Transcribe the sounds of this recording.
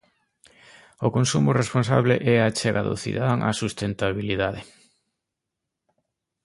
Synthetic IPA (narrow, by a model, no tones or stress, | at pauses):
okonsumʊrespons̬a̰βleʔɛat͡ʃɛɣaðʊ̰θḭðaðaŋʔa̰sust̪ent̪aβiliðaðe